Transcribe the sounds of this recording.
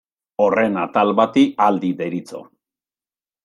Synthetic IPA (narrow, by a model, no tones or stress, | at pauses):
ore̞nat̪alβat̪iald̪iðeɾit͡so̞̰